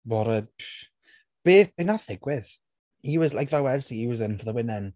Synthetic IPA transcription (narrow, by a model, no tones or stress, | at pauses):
bɔɾə | b̥eːθbɪnaθɪɡwɪð | iwəzlˠajkvawɛrsiːwəzənfɔðəwɪnɛn